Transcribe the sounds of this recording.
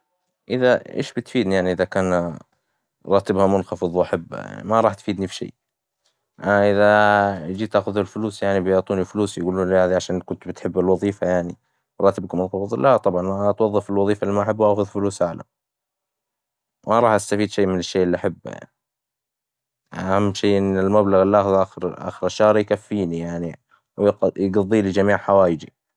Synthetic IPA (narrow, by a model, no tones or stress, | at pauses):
ʔɪðaʔḛːʃbɪt̪fiːd̪nijaʕniʔɪðakaːn | ɾˤɑːt̪ɪbhamʊnxɑfɨðˤwʔaħab̰ːja̰ʕnḭmaɾˤɑːħt̪fiːd̪nifiʃḛː | ʔaʔɪðad͡ʒiːt̪ʔaːxʊðalfʊluːsjaʕnibɪjʊʕt̪ˤuːnifʊluːsjɡuːluːnlhaːðiʕaʃaːnkʊnt̪bɪt̪ħɪbːɪlwɑðˤiːfajaʕni | ɾˤɑːt̪ɪb̚kʊmnðˤlʔat̪ˤɑbʕɑnʔt̪wɑðˤːɨfɪlwɑðˤiːfalːimaʔħabːuwʔaːxʊðfʊluːsʕaʕla̰m | waɾˤɑːħʔast̪afiːd̪ʃeːmɪnɪʃːeːʔɪlːiʔaħabːa̰ʕi | ahamːʃeːʔɪnːɪlmablaɣɪlʔaːxʊðʔaxɪɾʔa̰ːxɪɾaʃːɑːɾˤjkafːiːnijaʕni | wjjɡɑðˤːiːlid͡ʒamiːʕħawaːjɪd͡ʒḭ